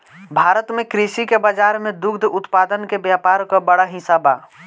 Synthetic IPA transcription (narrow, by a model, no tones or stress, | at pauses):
bʱaɾət̪mekɾisikebəd͡ʒaɾmed̪ukʰd̪ʱut̪pad̪ənkebjapaɾkɔbəɽaɦisaba̰